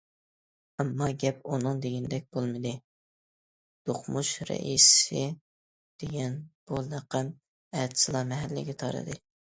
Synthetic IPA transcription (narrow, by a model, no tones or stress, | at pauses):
ɑmːɑɡʲɛp̚unɨŋd̪eɡʲinɪd̪ɛk̚ʲb̥olˠmɨd̪ɨ | d̪̥oχmuʃɾɛ̰ʔisɪ | d̪̥eɡʲɛnb̥ulɑqɛm | ɛːt̪sɨlˠɑmɛɦælːɪ̰ɡʲɛt̪ʰɑ̰ɾɨ̰d̪ɨ